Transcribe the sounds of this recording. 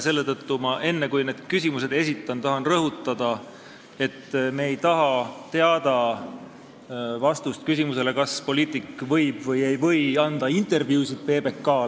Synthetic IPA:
se̞lːet̪ɤt̪ːumɑʔe̞nːekujne̞d̪̥kysʲimuse̞d̪e̞sit̪ːˑɑnt̪ɑɦɑnrɤɦut̪ːˑɑd̪̥ɑ | e̞t̪ːmeːjt̪ɑɦɑt̪e̞ɑd̪ɑ | vɑst̪ust̪̚kys̬ʲimuse̞le̞kɑspo̞liːt̪ˑikːvɤjb̥vɤje̞jvɤ̞jɑnd̪̥ɑint̪e̞rvjuːsid̪̥̚pe̞ːbe̞kːɑː

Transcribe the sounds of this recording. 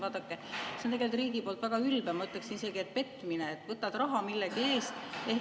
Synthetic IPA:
vɑːd̪̥ɑkːˑesent̪eɡe̞lt̪ːˑriːɡipo̞ːlt̪væɡ̥ɑylb̥emɑyt̪ːˑleksinise̞ɡ̥iet̪̚pe̞t̪ːˑmineet̪ːˑvɤt̪ːˑɑd̪rɾɑɦɑmilːeɡ̥ie̞ːst̪e̞

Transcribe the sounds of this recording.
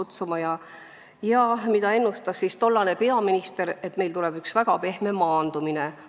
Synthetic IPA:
ut̪sumɑjɑ | jɑmid̪ɑe̞nːust̪ɑssist̪o̞lːɑne̞pe̞ɑminist̪e̞ɾe̞t̪ːˑme̞jlt̪ulɛb̥yksvæɡ̥ɑpe̞hme̞mɑːnd̪̥umine

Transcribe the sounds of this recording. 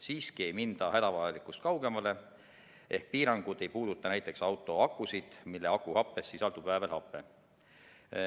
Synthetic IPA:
siːskie̞jmind̪̥ɑhæd̪ɑvɑjɑlikːˑust̪̚kɑwɡ̥e̞mɑle̞ | ʔe̞hk̚piːɾɑŋɡ̥ud̪̥e̞jpuːd̪ut̪ːˑɑnæjt̪ːˑe̞ksɑwt̪ːˑo̞ɑkˑːusid̪̥milːeɑkːˑuhɑpːe̞sːisɑlt̪ub̥væevelhɑpːˑe

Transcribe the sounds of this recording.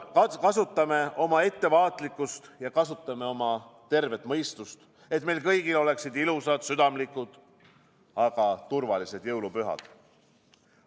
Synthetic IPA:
kɑkɑsut̪ˑːɑme̞o̞mɑe̞t̪ːe̞vɑːt̪likːust̪jɑkɑsut̪ːˑɑme̞o̞mɑt̪e̞rve̞t̪ːˑmɤjst̪ust̪ | et̪ːˑme̞jlkɤjɡilo̞le̞ksid̪ilusɑd̪̥syd̪̥ɑmlikˑud̪̥ | ɑɡ̥ɑt̪urvɑlise̞d̪̥jɤwlupyɦɑ̰d̪̥

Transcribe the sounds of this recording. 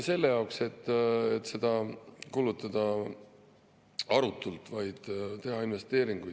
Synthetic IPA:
se̞lːe̞jɑwkse̞t̪ːˑet̪ːse̞d̪̥ɑkuːlut̪ːˑɑd̪̥ɑ | ɑɾut̪ːˑult̪ˑvɑjd̪̥t̪e̞ɦɑinve̞st̪e̞ːɾiŋɡ̥uj

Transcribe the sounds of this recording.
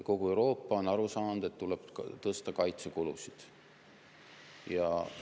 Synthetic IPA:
ko̞ɡue̞wɾo̞ːpːˑɑo̞nɑɾusɑːnud̪̥e̞t̪ːuleb̥t̪ɤst̪ɑkɑjt̪se̞kulṵsid̪̥ | jɑ

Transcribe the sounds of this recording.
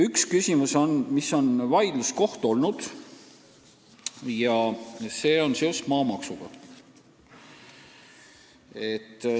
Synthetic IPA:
ykskysʲimuso̞nmisːo̞nvɑjd̪̥lusko̞ht̪o̞lnud̪̥ | jɑse̞ːo̞nseost̪mɑːmɑksuɡ̥ɑ̰ | et̪ː

